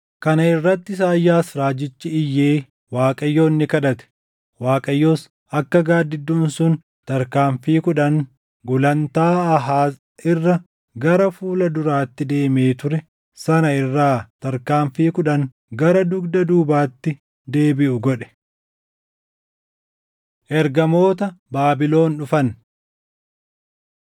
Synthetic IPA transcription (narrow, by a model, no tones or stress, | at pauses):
kɐnɐɪrːɐt̪ːɪs̬aːjːaːsɾaːd͡ʒɪt͡ʃːɪɪjːeː | waːkʼɐjːo̞ːnːɪkɐᶑɐt̪ɛ̥ | waːkʼɐjːo̞ːs | ɐkːɐɡaːd̪ːɪd̪ːuːnsʊn | t̪ɐɾkaːɱfiːkʊᶑɐŋ | ɡʊlɐnt̪aːɐɦaːs | ɪrːɐ | ɡɐɾɐfuːlɐd̪ʊɾaːt̪ːɪd̪e̞ːme̞ːt̪ʊɾɛ | sɐnɐɪrːaːt̪ɐɾkaːɱfiːkʊᶑɐŋ | ɡɐɾɐd̪ʊɡd̪ɐd̪uːbaːt̪ːɪ | d̪e̞ːbɪʔʊɡɔᶑɛ̥ | ʔɛɾɡɐmo̞ːt̪̬ɐbaːbɪlo̞ːnᶑʊfɐn